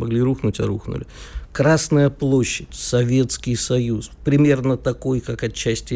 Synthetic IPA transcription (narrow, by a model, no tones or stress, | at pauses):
mɐɡlʲiɾuxnʊtʲɐɾuxnʊ̰lʲɪkɾasnəjəplˠo̞ɕːɪtʲsɐvʲe̞t̪skʲɪjsɐjuspɾʲɪmʲe̞rnət̪ɐko̞jkakɐt͡ɕːæsʲtʲɪ